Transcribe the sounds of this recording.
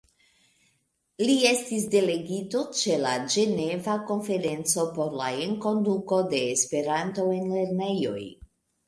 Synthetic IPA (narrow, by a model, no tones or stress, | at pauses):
lie̞stis̬de̞le̞ɡito̞t͡ʃe̞lad͡ʒe̞ne̞vako̞nfe̞ɾe̞nt͡so̞po̞ɾla̰eŋko̞nduko̞de̞ːspe̞ɾanto̞e̞nle̞ɾne̞jo̞̰j